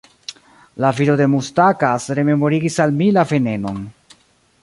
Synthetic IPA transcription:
laviɾode̞mustakasɾe̞me̞mo̞ɾiɡisalmilave̞ne̞no̞n

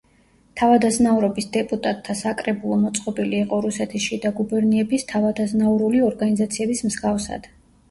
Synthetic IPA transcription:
t̪ʰavad̪aznauɾɔbisd̪ɛpʼut̪ʼat̪ʼʰːasakʼɾɛbulˠɔmɔt̪sʼqʼɔbiliːqʼɔɾusɛt̪ʰisʃid̪aɡubɛɾniɛbist̪ʰavad̪aznauɾuliɔɾɡanizat̪sʰiɛbismz̥ɡafsa̰d̪̥

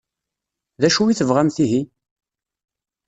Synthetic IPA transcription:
ðæʃuiθəvʁamθiɦi

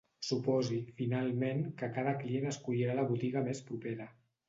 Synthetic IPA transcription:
supɔzifinalˠmeŋkəkaðəklienəskuʎiɾaləβut̪iɣəmespɾupeɾə

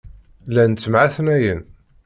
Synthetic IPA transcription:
lænt͡sːəmʕaθnæjən

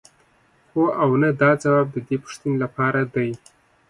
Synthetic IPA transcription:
xoʔawnad̪ɑd͡zawɑb̚d̪əd̪epʊ̥ʂt̪unelapɑɾad̪aj

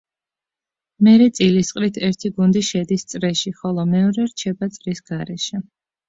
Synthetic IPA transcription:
mɛɾɛt̪sʼilisqʼɾit̪ʰɛɾt̪ʰiɡund̪iʃɛd̪ist̪sʼɾɛʃiχɔlˠɔmɛɔɾɛɾt͡ʃʰɛbat̪sʼɾisɡ̥aɾɛʃɛ

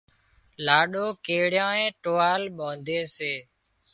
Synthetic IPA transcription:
laːɗoːkeːɽjãːẽːʈoːaːlɓõːnd̪ʱeːseː

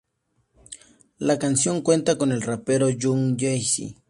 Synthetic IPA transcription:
lakansjoŋkwe̞nt̪akonelrapeɾoʎʊŋʎajsɪ̰

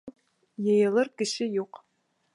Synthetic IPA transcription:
jɛjɛlɐrɡɨʃɪjoːq

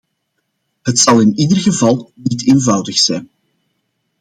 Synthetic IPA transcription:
ɦətsɑlˠɪniːdərɣəvɑlˠniteːnvɑwdəxsɛjn

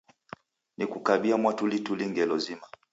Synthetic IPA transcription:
nikukaɓiamwatulituliŋɡɛlɔzima

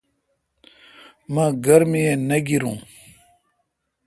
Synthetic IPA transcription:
mãɡɐɾmijenɐɡiɾũː

